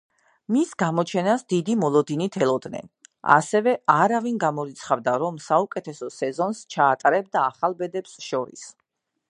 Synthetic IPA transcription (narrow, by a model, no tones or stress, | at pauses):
misɡamɔt͡ʃʰɛnasd̪id̪imɔlˠɔd̪init̪ʰɛlˠɔd̪nɛ̰na̰sɛvɛaɾavinɡamɔɾit̪sʰχavd̪aɾɔmsaukʼɛt̪ʰɛsɔsɛzɔnst͡ʃʰaːt̪ʼaɾɛb̚d̪aːχalˠbɛd̪ɛpsʃɔɾḭs